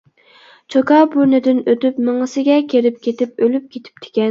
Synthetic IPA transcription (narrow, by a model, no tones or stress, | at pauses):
t͡ʃʰokɑbuɾnɪd̪ɪnøt̪ypmɪŋɨsɪɡʲɛkʲʰeɾɪp̚kʲʰet̪ɪp̚ølyp̚kʲʰet̪ʰɪ̥p̚t̪ʰe̥kʲɛ